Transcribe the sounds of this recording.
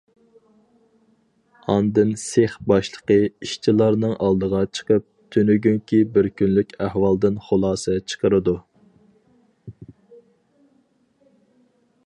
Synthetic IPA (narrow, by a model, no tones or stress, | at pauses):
ɑnd̪ɨnseχbɑʃlˠə̥qəiʃt͡ʃʰilˠɑɾnɨŋʔɑlˠd̪əʁɑt͡ʃʰə̥qəp̚t̪ʰønyɡʲyŋkʲibɪɾkʲʰynlykʲæhwɑlˠd̪ɨnχolˠɑːsɛt͡ʃʰə̥qəɾɨd̪u